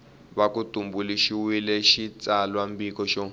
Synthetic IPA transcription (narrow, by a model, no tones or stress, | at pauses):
βakutumbuliʃiwilɛʃit͡salwambikɔʃɔ